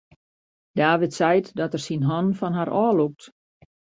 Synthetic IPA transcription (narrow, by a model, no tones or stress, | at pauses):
d̥aːʋɪtsɛjtdɔtərsinɦɔnfɔnɦaɾʔɔːluk̚t